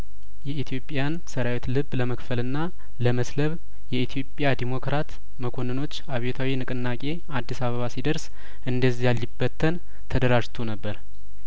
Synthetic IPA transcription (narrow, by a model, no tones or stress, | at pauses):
jɛit̪ʰijo̞pʼjansəɾawet̪lɨβːləməkfəlɨnːa | ləməsləβ | jɛit̪ʰjo̞pʼjad̪emo̞kɾat̪ | məkʰo̞nɨno̞t͡ʃːaβjet̪ʰawinɨkʼɨnːakʼe̞ | ad̪ːisaβəβasid̪əɾs | ʔɨnd̪əzːijalːibːət̪ʰːən | t̪ʰəd̪əɾaʒt̪ʰunəbːəɾ